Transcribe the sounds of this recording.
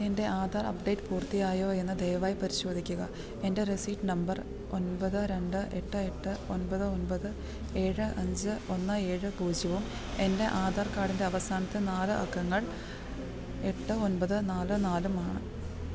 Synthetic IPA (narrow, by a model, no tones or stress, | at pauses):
e̞nde̞ʔaːd̪ʱaːrɐ̰pɖe̞ːʈːɨpuːrt̪ijaːjo̞ːe̞nːɨd̪ejʋaːjipɐɾiɕo̞ːd̪ʱikʲːuɣɐ | e̞nde̞risiːʈːnɐmbɐr | o̞nbɐðɨɾe̞ɳɖɨʔe̞ʈːɨe̞ʈːɨonbɐðɨo̞nbɐðɨ | e̞ːɻɨʔɐɲd͡ʑɨo̞nːɨe̞ːɻɨkuːd͡ʑiʋum | e̞nde̞ʔaːd̪ʱaːrkaːɽinde̞ɐʋɐsaːnɐt̪ːenaːlɨʔɐkːɐŋːɐɭ | e̞ʈːɨo̞nbɐðɨnaːlɨnaːlumaːɳɨ